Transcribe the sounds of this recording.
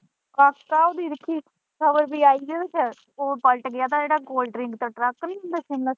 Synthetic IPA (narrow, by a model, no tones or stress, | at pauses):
kaːkːaːoːd̪iːɾəkʰːiː | kʰəbəɾbiːaːiːd̪eːt͡ʃʰɛ | oːpəlʈɡɪjaːt̪aːd͡ʒeːɽaːɡoːlɖəɾɪŋɡt̪aːʈɾəkːnĩːɦʊ̃nd̪aːsĩmaː